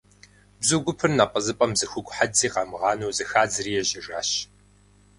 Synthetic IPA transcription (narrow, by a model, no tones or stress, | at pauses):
bzuɡʷʊpʰɨrnaːpʼɐzɨpʼɐmzɨxʷʊɡʷʼħad͡ziːqɑmɨʁɑːnowzɨxaːd͡zɨɾiːjɛʑɪʐa̰ːɕ